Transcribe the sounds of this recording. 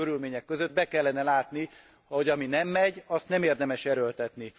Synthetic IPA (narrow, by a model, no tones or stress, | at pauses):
øɾylmeːɲɛkːøzød̪̚bɛkɛlːɛnɛlaːt̪ni | hoɟɒminɛmːɛɟɒst̪nɛmeːrd̪ɛmɛʃɛɾølt̪ɛt̪ni